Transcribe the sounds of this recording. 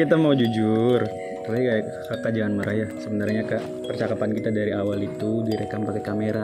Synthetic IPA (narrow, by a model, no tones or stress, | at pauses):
kit̪amawd͡ʒud͡ʒʊr | raikaj | kəkad͡ʒaanməɾʔajasəbənarɲakaʔ | pərt͡ʃakapankit̪adaɾiawalit̪udiɾekampakekameɾa